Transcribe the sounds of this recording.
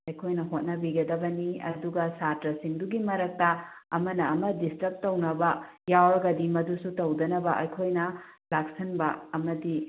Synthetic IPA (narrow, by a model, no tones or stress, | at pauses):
ɐjkʰojnɐɦot̚nɐbiɡɐdɐbɐniɐ̰duɡɐsatɾɐsiŋduɡimɐɾɐk̚tɐɐmɐnɐːmɐdistɐp̚tɐwnɐbɐ | jawɾɐɡɐdimɐdusutɐwdɐnɐbɐ̰ʔɐjkʰojnɐlaksɐnbɐɐmɐdi